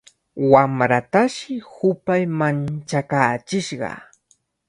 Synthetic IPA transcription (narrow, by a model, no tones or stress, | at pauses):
wamɾat̪aʃɪhʊpajmant͡ʃakaːt͡ʃɪʃɢɑ̰